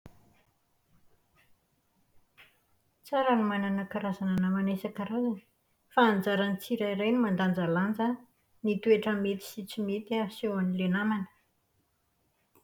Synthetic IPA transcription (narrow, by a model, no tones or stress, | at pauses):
t͡saɾənimananəkaɾazananamanesakaɾazani̥ | faːnd͡zaɾanit͡siɾaiɾajnimand̪and͡zaland͡zə | nit̪ueʈ͡ʂəmet̪i̥sit͡simet̪iasewanilenamanə̥